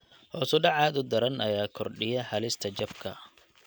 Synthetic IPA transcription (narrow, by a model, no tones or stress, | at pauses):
hɔːsɔɖɑʕɑːðʊd̪ɐɾɐnɐjaːkʰɔrɖɪjɐħɐlɪst̪ʰɐt͡ʃɐfkʰɐ̰